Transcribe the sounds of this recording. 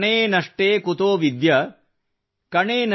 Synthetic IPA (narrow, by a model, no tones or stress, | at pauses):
ɳeːnɐʂʈeːkut̪oːʋid̪jɐ | kɐɳeːn